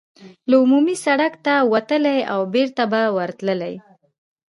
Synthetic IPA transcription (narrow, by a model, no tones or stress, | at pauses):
laumumisaɽakt̪awat̪əlaja̰wbeɾt̪abawaɾt̪ləlaj